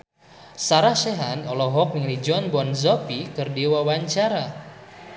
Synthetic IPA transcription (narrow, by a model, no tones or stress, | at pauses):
saɾaʃɛɦanɔlɔɦɔk̚niŋlid͡ʒɔnbɔnzɔpikɨrdiwawaɲt͡ʃaɾa